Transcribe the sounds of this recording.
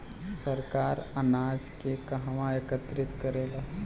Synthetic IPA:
səɾkaːɾɐnaːd͡ʒkekɐɦɐʋaekət̪ɾɪt̪kəɾeːla

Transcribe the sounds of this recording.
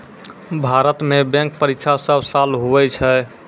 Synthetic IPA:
bʱaɾət̪mebɛ̃ŋk̚pəɾikt͡ʃʰasəbsalɦuʋɛt͡ʃʰɛ

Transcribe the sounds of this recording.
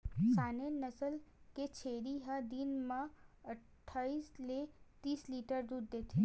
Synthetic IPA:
saːnenəsəlket͡ʃʰeːɾiɦəd̪inmãɐʈʈʰːaːislet̪iːsliːʈəɾd̪uːd̪ːeːt̪ʰe

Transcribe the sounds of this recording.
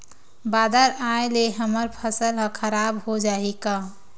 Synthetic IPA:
baːd̪əɾaeleɦəməɾpʰəsəlɦəkʰəɾabhod͡ʒaika

